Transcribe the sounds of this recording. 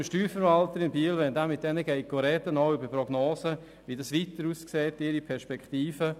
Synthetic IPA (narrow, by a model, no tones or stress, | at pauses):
mʃtyːɾfəɾvaltəɾɪnbiəlʋɛndamːɪt̚d̥ɛnəɡɛɪkɡ̥oɾɛtənoʊʏbəprɔɡnoːsə | ʋidɑsʋitəɾuːskseːtɪɾipʰɛɾʃpɛkχtiːfə